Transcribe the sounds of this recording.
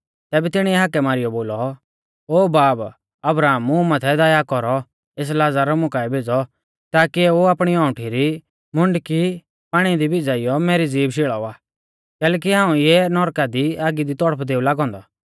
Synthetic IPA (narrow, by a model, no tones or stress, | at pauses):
t̪ɛːbɛt̪ɪɽ̃iɛɦakɛmaːɾɪjɔboːlɔ | oːbaːb | ɐbɾaːmʊ̃mat̪ʰɛd̪aːjakɔɾɔ | eːs̬laːd͡zaɾɔmʊkaɛbʱeːd͡zɔ | t̪aːkiɛoaːpɽ̃iɔ̃ːʊʈʰiɾi | mʊɳɖki | paːɽ̃id̪ibɪd͡zaɪjɔmɛːɾid͡ziːbʃɪɭaaː | kɛːlɛːk̬iɦãːũjɛnɔɾkad̪iaːɡid̪it̪ɔɽəpʰd̪eːulaːɡɔ̃ːnd̪ɔ